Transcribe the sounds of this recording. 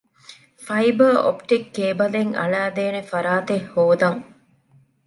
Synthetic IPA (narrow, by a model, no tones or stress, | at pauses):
fɐjbɐːo̰pʈikːeːbɐleŋɐ̰ɭæːd̪eːnefɐɾaːt̪ehhoːd̪ɐŋ